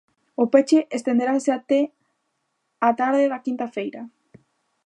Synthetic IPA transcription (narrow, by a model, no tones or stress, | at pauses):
opet͡ʃeʔest̪ẽnd̪eɾaseat̪e | at̪aɾðeðakint̪afejɾa